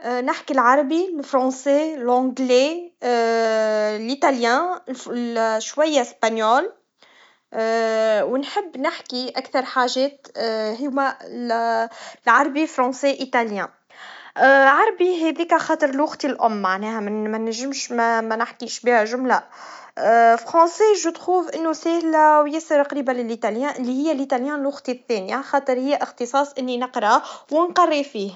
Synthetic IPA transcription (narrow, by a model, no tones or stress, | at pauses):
ʔnɪħkilʕɑɾˤɑbilfɾˤɑ̃ːselʔɔ̃ɡle | lʔit̪aljæ̃lʃwajːaspanjoːl | wnħɪbːnɪħkiʔækθɑɾˤħaːʒɛːt̪ɦɪmæl | lʕɑɾˤɑbilfɾˤɑ̃ːsɛʔit̪aljæ̃ | ʕɑɾˤbiɦɛðiːkæxɑːt̪ˤəɾˤɪlwʊɣt̪ilʔʊmːaʕnɛːhæmmænæʒɪmʃmæmænaħkiːʃbiːhæʒʊmla | fɾɑ̃siːʒut̪xuːfʔɪnːusɛːhlæwjæsɑɾqɾiːbælɪlʔit̪ɑljæ̃ːʔɪlːihɪjːælʔit̪ɑljæ̃ːnlwɑɣt̪iθːɛːnjxɑːt̪ˤɨɾˤhɪjːæʔɪxt̪ɨsˤɑːsˤʔɪnːinəqɾˤɑwɪnqɑrˤːifiːh